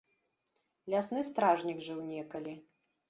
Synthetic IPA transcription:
lʲasnɨst̪ɾaʐnʲiɡʐɨwnʲɛkɐlʲi

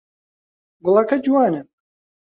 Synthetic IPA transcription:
ɡʊlˠakʰɐd͡ʒuwaːnɨ

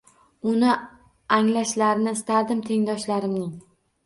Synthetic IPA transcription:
ʊnɪ | aŋlaʃlaɾɪnɪst̪ʰad̪ɪmt̪ʰe̞ŋd̪ɒʃlaɾɪmnɪŋ

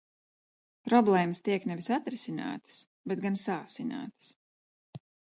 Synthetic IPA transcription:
pɾɔblˠɛːməst̪iɛknɛvisat̪ɾɪsina̰ːt̪ə̥s | bɛt̪̚ɡansaːsina̰ːt̪ə̥s

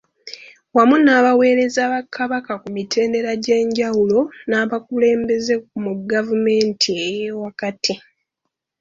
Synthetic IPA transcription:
wamunaːβawe̞ːɾe̞zaːβakʰːaβakakumitʰe̞ːnde̞ɾaɟe̞ːɲɟawulo̞naːβakule̞ːmbe̞ze̞kumuɡavume̞ːntʰiejewakatʰi

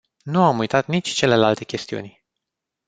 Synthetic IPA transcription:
nuamujt̪at̪nit͡ʃʲt͡ʃe̞le̞lalt̪e̞kʲe̞st̪iṵnʲ

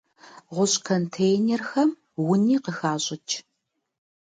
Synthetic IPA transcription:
ʁʷʊɕʼkʰontʰejnerxɐm | wʊniːqəxaːɕʼɪt͡ʃʰ

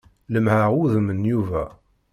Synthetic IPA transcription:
ləmhæʁuðəmənjuvæ

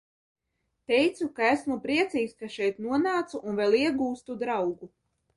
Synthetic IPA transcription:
t̪ɛjt̪sukaæsmupɾiɛt̪siːkskaʃɛjt̪nuɔnaːt̪suʔːnvʲɛlˠiɛɡuːst̪ud̪ɾawɡu

